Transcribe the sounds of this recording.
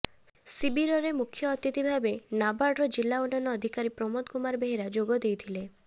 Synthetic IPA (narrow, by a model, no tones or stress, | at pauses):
sibiɾɔɾemukʰːjɔːt̪it̪ibʱabenabaɾɖɾɔd͡ʒilːaunːanɔːd̪ʱikaɾipɾɔmɔt̪kumaɾbeɦiɾad͡ʒoɡɔd̪ejt̪ʰile